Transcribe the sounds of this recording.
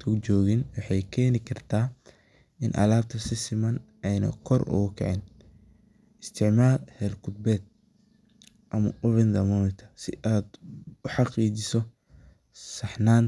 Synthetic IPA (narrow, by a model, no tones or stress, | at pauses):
t̪ʰʊt͡ʃɔːɣɪnwɑħɑjkʰɛːnɪkʰɐrt̪ʰaː | ɪnʔɐ̰laːb̚t̪ʰɐsɪsɪmɐnʔɛjnɐ̰kʰɔrʔʊ̰ɣʊkʰɛ̰ʕɪn | ɪst̪ʰɪʕmaːlhɛlkʰʊd̪̚bɛːd̪̚ | ʔɐmɐʊɾɪnd̪ɐmɔːmɪt̪ʰɐ̥sɪ̰ʔaːd̪ʊħɑqiːt͡ʃɪsɔ | sɑħnaːn